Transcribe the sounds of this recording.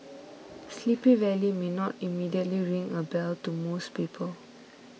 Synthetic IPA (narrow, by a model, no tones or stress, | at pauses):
slipĩvɛlimenɔtimidiətliɹĩŋəbɛltumospipʰəl